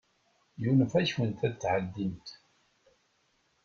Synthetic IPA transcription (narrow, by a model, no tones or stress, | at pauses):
junfæçwənt̪æd̪t͡sːʕəd̪ːimt̪